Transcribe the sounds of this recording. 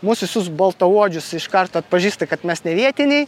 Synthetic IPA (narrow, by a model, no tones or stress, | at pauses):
mʊsʋʲɪsʊsbɐlˠt̪ɐuɔd͡ʒʲʊsɪʃkɐrt̪oːɐt̪̚pɐʒʲiːst̪ɐkɐt̪mʲɛsnʲɛʋʲiɛt̪ʲɪnʲɛɪ